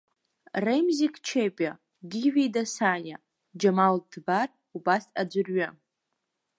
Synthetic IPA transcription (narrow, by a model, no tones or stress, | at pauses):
rejmzikʰʼt͡ʃʰepʼa | ɡʲiɥᶣijdasaja | d͡ʒamaldbar | ubasad͡ʒʷɨrɥa